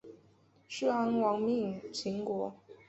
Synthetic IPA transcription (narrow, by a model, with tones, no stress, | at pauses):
ʂ̩˥˩a˧˥ŋwɑ˧˥ŋmi˥˧˩ŋt͡ɕʰi˧˥ŋkwɔ˧˥